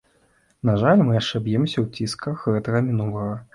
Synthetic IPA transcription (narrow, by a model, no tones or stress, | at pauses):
naʐalʲmɨjaʂt͡ʂɛbʲjɛmsʲɐwt͡sʲiskɐxɣɛt̪ɐɣɐmʲinulˠɐɣɐ